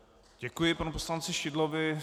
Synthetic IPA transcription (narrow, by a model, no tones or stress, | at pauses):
ɟɛkujɪpanuposlant͡sɪʃɪdlovɪ